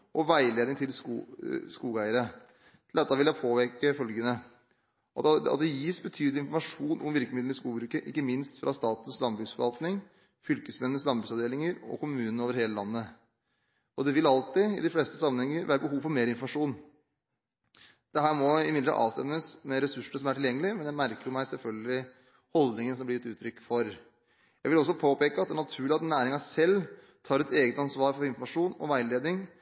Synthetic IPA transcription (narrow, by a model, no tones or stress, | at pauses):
ʔɔʋæɪleːd̪ɪŋt̪ʰɪlskṵskuːɡæɪəɾə | t̪ʰɪld̪ɛt̪ːɑʋɪljæɪpʰoːʋeɾkəfœlɡənə | ɑ̰t̪̚d̪ɛjiːsbət̪ʰyːd̪lɪnfɔmɑʂuːnʔɔmʋɪɾkəmɪd̪l̩ɪskuːbɾʉːkəʔɪkːəmɪnst̪fɾʔɑst̪ɑːt̪ən̩slɑnbɾʉsfɔʋɑlt̪nɪŋ | fʏlkəsmɛnːns̬lɑnbɾʉɡsɑʋd̪eːlɪŋəɾɔ̰kʰʊmʉːnənəoːʋəɾheːləlɑnːə | ɔd̪ɛʋɪlɑlt̪ɪɪ̰d̪ɪfleːst̪əsɑmːənhɛŋːəɾʋæːɾəbəɦuːʋfɔɾmeːɾɪnfɔmɑʂuːn | d̪̥ɛɦæːɾmɔɪmɪd̪əɑ̰ʔɑ̰ːʋst̪ɛ̰mːəsmɛɾɛsʉʂːənəsɔmæʈʰɪljɛŋːəlɪmɛnjæɪmæɾkəɾjʊmæɪsɛlfœlɡəlɪ | hɔld̪nɪŋənsɔmblɪɪt̪ʉːt̪ʰɾʏkːfɔɾ | jæɪʋɪlɔsːɔpʰoːpeːkəɑt̪d̪æːnɑt̪ʰʉːɭɪɑt̪næːɾɪŋɑsɛlː | t̪ʰɑːɾɛt̪eːɡət̪ɑnsʋɑːɾfɔɾɪnfɔɾmɑʂuːnɔ̰ʋæɪleːd̪nɪŋ